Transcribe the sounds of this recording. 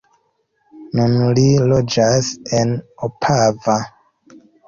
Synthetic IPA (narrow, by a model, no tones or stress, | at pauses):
nunlilod͡ʒasenopʰava